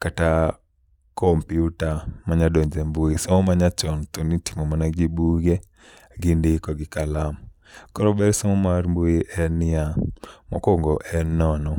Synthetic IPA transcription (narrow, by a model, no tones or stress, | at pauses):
kata | kɔmpiutamaɲadoɲd͡ʒembuisɔmɔmaɲat͡ʃɔnt̪oniti̥mɔmanaɡibuɡe | ɡindɪkɔɡɪkalam | kɔɾɔbɛɾsɔmɔmaɾmbuiʔɛnɪamɔ̰koŋɡɔʔɛnːɔnɔ